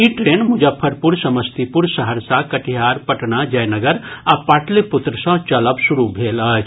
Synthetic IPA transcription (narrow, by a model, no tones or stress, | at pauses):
iʈɾeːnmʊd͡ʒəpʰːəɾpʊɾsɐməst̪ipʊɾsɐɦəɾsakɐʈiɦaːɾpɐʈnad͡ʒɐjnɐɡəɾɐpːaːʈlepʊt̪ɾəsãt͡ʃɐləbsʊɾubʱeːlaː